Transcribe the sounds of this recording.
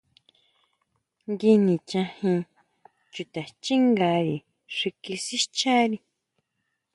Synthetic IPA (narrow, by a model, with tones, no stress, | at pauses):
ŋɡi˧nĩ˨t͡ʃã˧hĩ˧ | t͡ʃu˧t̪a˨t͡ʃi˦ŋɡa˧˦ɾi˨ | ʂi˧ki˧si˦t͡ʃa˦ɾi˧